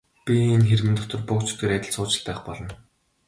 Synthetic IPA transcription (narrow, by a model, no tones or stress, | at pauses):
pʲiinxeɾmɘ̆nt̪ʰɔt̪ɞ̆rpʊkt͡ɕʰi̥t̪eːɾæt̪ʲɪ̆ɮt͡sʊːt͡ɕɪ̆ɮpæːχpɔɮɞ̆n